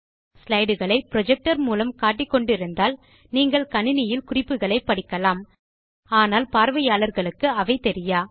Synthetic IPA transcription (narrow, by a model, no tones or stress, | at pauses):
slɐɪɽɯɣɐɭɐɪpɾɔd͡ʒɛk̚ʈɐɾmuːlɐmkaːʈ̬ːɪkːɔɳɖɪɾɯnd̪aːl | niːŋɡɐɭkɐnɪnɪjɪlkʊrɪpːɯɣɐɭɐɪpːɐɽɪkːɐlaːm | aːnaːlpaːɾʋɐjaːlɐɾɣɐɭɯkːɯɐʋɐɪt̪ɛɾɪjaː